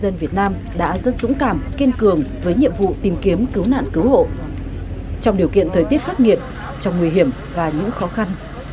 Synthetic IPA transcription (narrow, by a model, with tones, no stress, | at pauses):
zə˧nvi˨˩ət̚naː˧m | ɗa̰ː˧˥zə˦˥t̚zʊ̰˧˥ŋ͡mkaː˨˩mki˧nkɨ˨˩əŋvəː˨˦jɲḭ˧˨əmvṵ˧˨t̪i˨˩mki˨˦əmkɨ˨˦wna̰ː˧˨nkɨ˨˦who̰˧˨ | t͡ɕɔ˧ŋ͡mɗi˨˩əwkḭ˧˨ənt̪ʰəː˨˩jt̪i˦˥ət̚xaː˦˥t̚ŋḭ˨˧˨ət̚ | t͡ɕɔ˧wŋ͡mŋwi˧ɦi˧˩əm | vaː˨˩ɲɨ̰˧˥ŋxɔ˨˦xa˧n